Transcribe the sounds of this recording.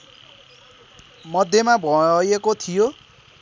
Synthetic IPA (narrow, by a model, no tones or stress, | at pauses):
mʌd̪ʱjemabʱʌjekot̪ʰijo